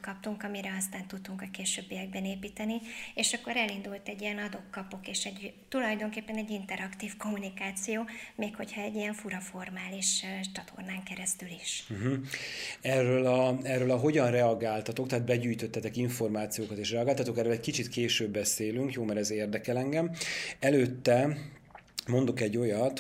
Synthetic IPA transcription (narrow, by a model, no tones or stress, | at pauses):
kɒp̚t̪uŋkɒmiɾɛɒst̪aːnt̪ut̪ːuŋkɒkeːʃøːbːijɛɡ̚bɛneːpiːt̪ɛnieːʃɒkːo̞ɾɛlind̪ult̪ɛɟːijɛnɒd̪o̞kːɒpo̞keːʃɛɟt̪ulɒjd̪o̞ŋkeːpːɛnɛɟint̪ɛɾɒkt̪iːfko̞mːunikaːt̪sijoːmeːkho̞chɒɛɟːijɛɱfuɾɒfo̞rmaːliʃt͡ʃɒt̪ʰo̞̰rnaːŋkɛɾɛst̪yliʃ̩ɦ̩ | ɛrøːlɒɛrːøːlɒɦo̞ɟɒnrɛɒɡaːlt̪ɒt̪o̞k̚t̪ɛːd̪̚bɛɟyːjt̪ø̞t̪ːɛt̪ɛkiɱfo̞rmaːt̪sijoːkɒt̪eːʃrɛɒɡaːlt̪ɒt̪o̞kɛrøːlɛckit͡ʃit̪keːʃøːbːɛseːlyŋkjoːmɛɾɛzeːrd̪ɛkɛlɛŋɡɛmɛløːt̪ːɛ | mo̞nd̪o̞kɛɟːo̞jɒt̪